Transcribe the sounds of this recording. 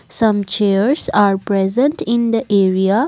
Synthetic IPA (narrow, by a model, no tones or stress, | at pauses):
sʌ̃mt͡ʃeəɾsaːɾpɾezə̃ɳʈɪ̃nd̪əʔeɾia